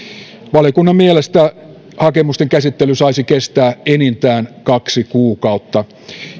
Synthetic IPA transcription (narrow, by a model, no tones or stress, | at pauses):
ʋɑlijokunːɑmmielest̪æ | hɑkemust̪eŋkæsit̪ːelysɑisikest̪æːenint̪æːnkɑksikuːkɑut̪ːɑ